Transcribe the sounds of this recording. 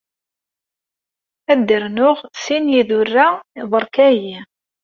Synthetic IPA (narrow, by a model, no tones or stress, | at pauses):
æd̪ːəɾnʊʁsinjiðʊrːaðˤəɾˤkæji